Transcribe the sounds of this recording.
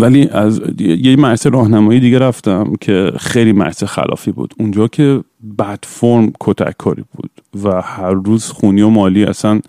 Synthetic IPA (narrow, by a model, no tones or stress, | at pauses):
væliːʔæzjjecmæɾseɾɒːhnæmɒːjed̪iːɟeɾæft̪æmcʰexejliːmæ̰ɾsexæ̰lʔɒ̰ːfiːbṵːd̪und͡ʒɒːcʰe̞ | bæt̪foɾmkʰot̪ʰæ̰kʰːɒːɾḭːb̥ṵːd̪̥væhæɾːuːzxuːniːo̞mɒːliːæ̰sæn